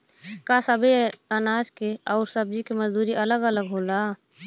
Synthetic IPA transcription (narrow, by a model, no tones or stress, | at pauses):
kasəbʱiənaːd͡ʒkeɔʊɾsəb̚d͡ʒikeməzd̪uːɾiʔələɡələɡɦoːla